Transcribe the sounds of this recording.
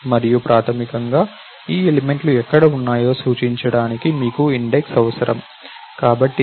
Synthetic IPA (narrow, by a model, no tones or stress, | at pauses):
mɐɾijupɾaːt̪ʰɐmikɐŋɡaː | iːelime̞ɳʈluɛkːɐɽɐunːaːjo̞ːsuːt͡ʃiɲt͡ʃɐɽaːnikimiːkuiɳɖeksɐʋɐsɐɾʔɐm | kaːbɐʈːi